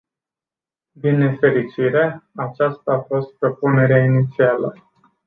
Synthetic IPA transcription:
bine̞fe̞ɾit͡ʃiɾe̞at͡ʃast̪aːfo̞st̪̚pɾo̞pune̞ɾeainit̪sialə̰

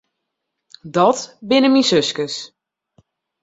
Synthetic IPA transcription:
dɔtbɪnəminsøskəs

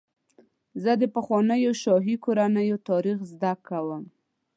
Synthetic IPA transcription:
zəd̪əpəxwɑnəjoʃɑɦikoɾanəjot̪ɑɾixzd̪akːawəm

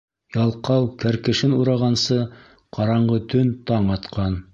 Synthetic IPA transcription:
jɑlˠqɑwkæɾkɘ̆ʃɘnuɾɑʁɑnsɤ | qʰɑɾɑɴɢɤt̪ɵnt̪ɑɴɑt̪qʰɑn

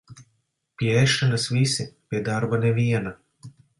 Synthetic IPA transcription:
pjeʃt̪anasʋisiped̪aɾbaneʋijɛna

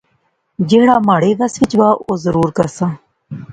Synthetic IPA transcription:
d͡ʑeːɽaːmaːɽeːʋɐsʋit͡ɕbaːozəɾuːɾkɐsãː

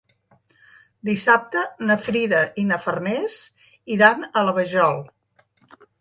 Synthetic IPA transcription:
d̪isap̚t̪ənəfɾiðəʔinəfərnɛs | iɾanələβəʒɔlˠ

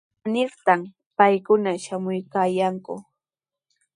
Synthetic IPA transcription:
nɪɾt̪am | pajkʊnaʃamʊjkaːjaŋkʊ̰

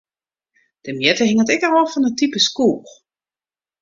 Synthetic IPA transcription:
d̥əmjɛtəɦɪŋətɛkərɔfɔnətipəskuːr

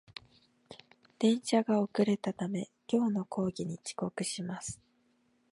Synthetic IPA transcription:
d̪̥ẽ̞ɰ̃ɕaɡao̞kɯ̟ɾe̞t̪at̪ame̞kʲo̞ːno̞kʰo̞ːɡʲiɲ̟it͡ɕi̥ko̞kɯ̟ɕimasɨ̥

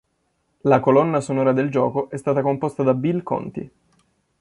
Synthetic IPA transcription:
lakolɔnːasonɔːɾad̪eld͡ʒɔːkoʔɛst̪aːt̪akompɔst̪ad̪abilkɔ̰nt̪ḭ

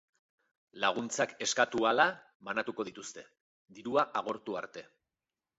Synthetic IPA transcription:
laɣ̞unt͡sake̞skat̪uala | βanat̪uko̞ð̞it̪ust̪e̞ | d̪iɾuaʔaɣ̞o̞ɾt̪uaɾt̪e̞

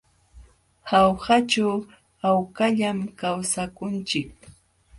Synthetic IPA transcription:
hawhat͡ʃaw | awkaʎamkawsakʊnt͡ʃɪk̚

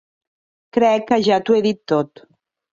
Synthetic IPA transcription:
kɾɛkːaʒat̪ueðit̪ːot̪

